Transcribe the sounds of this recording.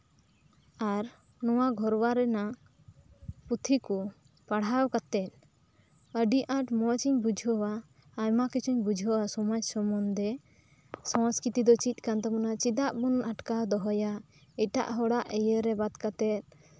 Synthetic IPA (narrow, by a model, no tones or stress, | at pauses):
aɾ | nɔwaɡʱɔɾwaɾɛna | put̪ʰiku | paɽ̤awkat̪ɛt̪̚ | əɖiʔaʈmɔt͡ʃiɲbud͡ʒʱɔwaː | jmakit͡ʃʰuɲbud͡ʒʱɔwasɔmɔd͡ʒsɔmɔnd̪ɛ | sãskɾit̪id̪ɔt͡ʃic̪̚ˀkant̪ɔmɔnat͡ʃid̪aʔbunaʈkad̪ɔɦɔja | ɛʈa̰ʔɦɔɽaʔɛjəɾɛbad̪kat̪ɛt̪̚